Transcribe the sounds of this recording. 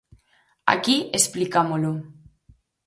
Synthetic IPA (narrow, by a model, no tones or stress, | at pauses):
a̰kiesplikamolu